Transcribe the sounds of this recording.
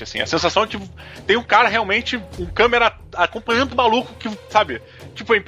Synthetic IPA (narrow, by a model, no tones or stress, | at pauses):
ɪasḭ̃ɐ̰sẽsasɐ̃w̃kɪt̪ẽj̃ũkaɾɐɦeawmẽnt͡ʃɪũkɐ̃meɾɐ | akõpɐ̃ɲ̃jɐ̃nd̪ʊmalukʊkɪsabɪ | t͡ʃipʊẽp